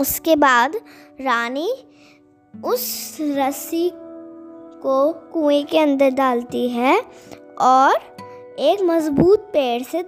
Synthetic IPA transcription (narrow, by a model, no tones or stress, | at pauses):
ʊskebaːd̪ɾaːni | ʊsɾɐsi | kokũːekeɐ̃nd̪əɾɖaːlt̪iɦɛ | ɔːɾ | eːkmɐzbuːt̪̚peːɽse